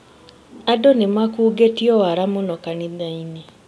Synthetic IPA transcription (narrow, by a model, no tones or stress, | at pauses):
adonemakuːɡetiɔwaɾamonɔkaniðaine